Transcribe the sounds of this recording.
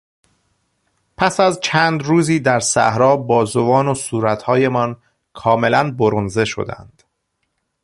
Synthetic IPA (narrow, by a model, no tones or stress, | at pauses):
pʰæsæzt͡ʃʰæːnd̪ɾuːziːd̪æɾsæhɾɒːbɒːzovɒːnosuːɾæt̪hɒːje̞mɒn | kʰɒːme̞lænboɾonze̞ʃo̰d̪æ̰nd̪̥